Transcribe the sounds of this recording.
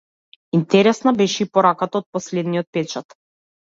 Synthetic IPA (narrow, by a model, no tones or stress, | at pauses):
int̪ɛɾɛsnabɛʃɛipɔɾakat̪aɔt̪̚pɔslɛd̪nijɔt̪̚pɛt͡ʃat̪